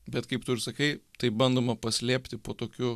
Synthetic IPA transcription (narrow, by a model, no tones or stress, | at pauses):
bʲɛt̪kɐɪpt̪ʊɾsɐkɐɪt̪ɐɪbɐnd̪oːmɐpɐsʲlʲeːpʲt̪ʲɪpoːt̪oːkʲʊ